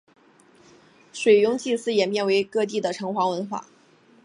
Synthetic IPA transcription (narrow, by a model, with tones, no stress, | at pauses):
ʂwe˨˩ɪjʊ˥ŋt͡ɕi˥˧sɹ̩˥jɛ˨˩nmjɛ˥˩nwe˧˥ɪkɤ˥˧t̪̬i˥˩d̪ə˩ʈ͡ʂʰɤ˧˥ŋxwa˧˥ŋwə˧˥nxwa̰˥˩˦